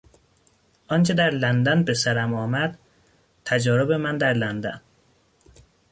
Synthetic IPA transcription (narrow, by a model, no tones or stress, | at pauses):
ʔɒnt͡ʃʰed̪æɾlænd̪ænbesæɾæmɒːmæd̪̥ | t̪ʰæd͡ʒɒːɾobemænd̪æɾlænd̪æn